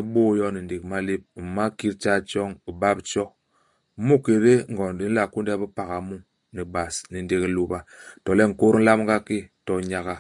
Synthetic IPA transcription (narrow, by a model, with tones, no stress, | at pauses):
ɓo˦jɔ˦ni˨nde˨k̚ma˦le˦p̩̚˨ma˦ki˦ɾt͡ʃa˦t͡ʃɔ˦ŋi˨ba˦pt͡ʃɔ˦ | mu˦ke˨ɾe˦ŋ˨ɡɔ˨ndi˦n̩˦la˨ku˦n˦dɛ˦bi˦pa˨ɣa˨mu˦ | ni˨ba˨sni˨nde˨ki˦lu˨ba˨tɔ˨lɛ˦ŋ̩˨ko˦ɾn̩˦la˦mŋ˦ɡa˦ke˦tɔ˨ɲa˨ɣa˨